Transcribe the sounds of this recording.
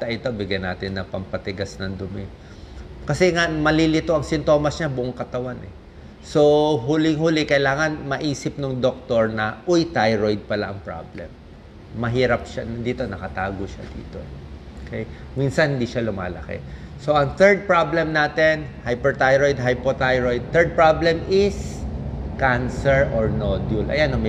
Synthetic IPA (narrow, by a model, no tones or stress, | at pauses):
t̪ɐʔɪt̪o̞bɪɡjɐna̰ːt̪ɪnːɐpɐmpɐt̪ɪɡasnɐŋd̪ʊmɪ | kɐsɛŋamɐlilɪt̪oʔɐŋsɪnt̪o̞ːmɐsɲabʊʔoŋkɐt̪ɐwanʔɛ̰ | so̞ɦulɪŋhuːlɪkɐjlaːŋɐnmɐʔiːsɪp̚nʊŋd̪ok̚t̪oɹnɐʔʊjt̪ajɹojd̪̚pɐlaʔɐŋpɹa̰blɛ̰mː | ɐɦiːɾɐp̚ʃanɐd̪iːt̪o̞nɐkɐt̪aːɡoʃa̰d̪ḭːt̪o̞̰ɛ | okʰej | minsɐnhɪnd̪iʃalʊma̰ːlɐ̰kḛ | so̞ʔɐŋt̪ɛɹd̪̚pɹablɛmnaːt̪ɛnhajpɛɹt̪ajɾojd̪̚ɦajpot̪ajɹojd̪̚t̪ɛɹd̪̚pɹablɛmʔɪs | kansɛɹʔoɹnod̪jʊlʔɐ̰janɐm